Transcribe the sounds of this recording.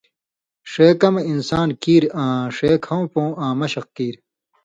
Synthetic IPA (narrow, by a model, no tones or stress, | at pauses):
ʂeːkɐminsaːnkiːɾãːʂeːkʰɐ̃wpõːʔãːmɐɕɐqkiːɾ